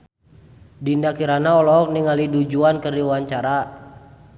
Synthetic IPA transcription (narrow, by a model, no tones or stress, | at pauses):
dindakiɾanaɔlɔk̚niŋalidud͡ʒuankərdiwwaɲt͡ʃaɾa